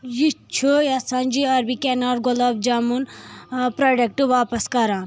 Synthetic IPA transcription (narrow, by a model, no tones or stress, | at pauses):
jit͡ʃʰujɐsɐnʲd͡ʒiɐɾbikenaːɾɡɔlɐb̚d͡ʒamunpɾaːɖek̚ʈɨʋaːpɐskɐɾãːn